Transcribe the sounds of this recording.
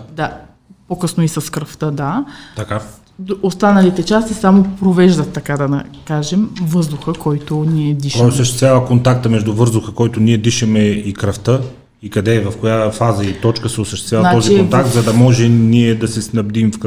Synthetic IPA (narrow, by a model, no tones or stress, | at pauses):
d̪a | pokɤsnʊisɐskɾəft̪əd̪at̪ɐka | ost̪anɐlit̪ɛt͡ʃast̪isamopɾovɛʒd̪ɐt̪ːɐkad̪ɐnɐ̰kaʒɛmvɤzd̪ʊxəkɔjt̪ʊniɛd̪iʃosəʃt̪ɛst̪vʲavəkont̪ak̚t̪əmɛʒd̪uvɤɾzd̪ʊxəkɔjt̪ʊniɛd̪iʃɛmɛikɾɐft̪ə | ikɐd̪ɛvɐfkojafazəit̪ɔt͡ʃkəsɛʊsəʃt̪ɛst̪vʲjavnat̪ɔzt͡ʃ̪iikont̪ak̚t̪zɐd̪ɐmɔʒɛniɛd̪ɐsɛsnɐb̚d̪imfk